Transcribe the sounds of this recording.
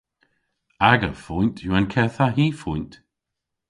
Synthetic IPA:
aɡəfuntʰjuankʰɛθaɦiːfunt

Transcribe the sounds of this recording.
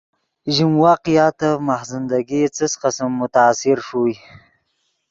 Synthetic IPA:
ʒimwaqjɑt̪amahzɪnd̪aɡit͡səsqasamːʊt̪aːsɪɾʂuj

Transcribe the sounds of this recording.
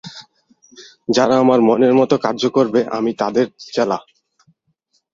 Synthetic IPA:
d͡ʑaɾaamaɾmɔneɾmɔt̪okaɾd͡ʑokoɾbeʔa̰mit̪ad̪eɾt͡ɕɛla

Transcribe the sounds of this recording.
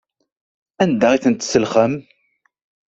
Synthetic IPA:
ænd̪æʁiθənt̪səlχəm

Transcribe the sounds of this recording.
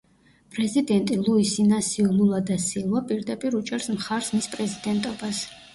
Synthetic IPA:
pʼɾɛzid̪ɛnt̪ʼilˠuisinasiululˠad̪asilˠwapʼiɾd̪apʼiɾut͡ʃʼɛɾsmχaɾsmispʼɾɛzid̪ɛnt̪ʼɔbas

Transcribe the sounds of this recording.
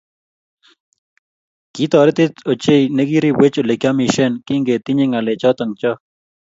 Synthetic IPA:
kit̪aːɾet̪et̪ot͡ɕeineɡiɾiwet͡ɕolekjaːmiʃenkiŋɡet̪iɲeŋalet͡ɕat̪ɐŋt͡ɕa

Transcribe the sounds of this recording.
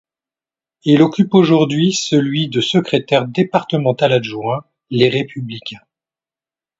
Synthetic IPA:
ilɔkʲypoʒuʁd̪ɥisəlɥid̪əsəkχet̪ɛʁd̪epaʁt̪əmɑ̃t̪alaʒwɛ̃ | leʁepyblikʲɛ̃

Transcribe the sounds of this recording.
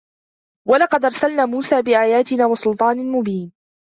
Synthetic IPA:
walɑqɑd̪ʔɑɾˤsalnaːmuːsaːbɪʔaːjaːt̪ɪnaːwɑsʊlt̪ˤɑːnmʊbiːn

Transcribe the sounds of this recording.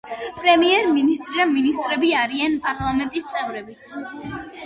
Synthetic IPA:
pʼɾɛmiɛɾminist̪ʼɾiaminist̪ʼɾɛbiaɾianpʼaɾlˠamɛnt̪ʼist̪sʼɛvɾɛbit̪sʰ

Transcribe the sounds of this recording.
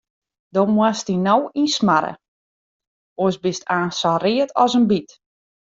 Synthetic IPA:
domwastinowinsmaɾə̰ | osbɪstaːnsariətʰɔsənbit

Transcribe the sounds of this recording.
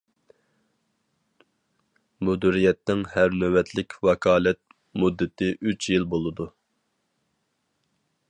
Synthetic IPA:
mud̪uɾijɛt̪ːɪŋhæɾnøwɛt̪ʰlɪkʲʰwɑkʰɑːlɛt̪̚ | mud̪ːɪt̪ʰɪʔyt͡ʃʰjilˠbolˠɨd̪u

